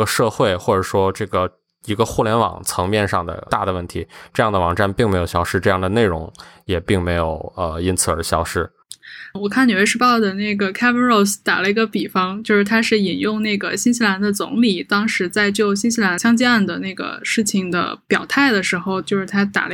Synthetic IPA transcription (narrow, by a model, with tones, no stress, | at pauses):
ə˧ʂɤ˥˧xwe˥˩ɪxwɔ˥˩ʈ͡ʂɤ˨˩ʂwɔ˥ʈ͡ʂɤ˥˩ɡə˩ | i˧˥ɡə˧xu˥˩ljɛ˧˥nwɑ̰˨˩ŋt͡sʰɤ˧˥ŋmjɛ˥˧nʂɑ˥˩ŋd̪ə̰˩t̪a˥˩d̪ə˩wə˥˩nt̪ʰḭ˧˥ʈ͡ʂɤ˥˧jɑ˥˩ŋd̪ə˩wɑ̰˨˩ŋʈ͡ʂa˥˧npi˥˩ŋm˧˥ɪjo˨˩ɕjɑ˥ʊʂɻ̩˥˧ʈ͡ʂɤ˥˧jɑ˥˩ŋd̪ə˩ne˥˩ɪɻʊ̰˧˥ŋjɛ˨˩pi˥˩ŋme˧˥ɪjo˨˩ʊə˧i˥nt͡sʰɹ̩˧˩ə˞˧˥ɕjɑ˥ʊʂɻ̩˥˩ | wɔ˨˩kʰa˥˩njo˨˩ʊwe˥˧ʂɻ̩˥˧pɑ˥˩ʊd̪ə˩ne˥˩ɪɡə˩kʰa˥bə˥nɹo˥˩ʊst̪a̰˨˩lə˦i˧˥ɡə˧pi˨˩fɑ˥ŋt͡ɕjo˥˧ʊʂɻ̩˥˩t̪ʰa˥ʂɻ̩˥˩i˨˩njʊ˥˧ŋne˥˩ɪɡə˩ɕi˥nɕi˧˥la˧˥nd̪ə˧t͡sʊ̰˧˥ŋli˨˩t̪ɑ˥ŋʂɻ̩˧˥t͡sa˥˧ɪt͡ɕjo˥˩ʊɕi˥nɕi˥la˧˥nɕjɑ˥ŋt͡ɕi˥a˥˩nd̪ə˨na˥˩ɡə̰˩ʂɻ̩˥˩t͡ɕʰi˩ŋd̪ə̰˩pjɑ˨˩ʊt̪ʰa˥˩ɪd̪ə˩ʂɻ̩˧˥xo˧ʊt͡ɕjo˥˧ʊʂɻ̩˥˩t̪ʰa˥t̪a̰˨˩lə˧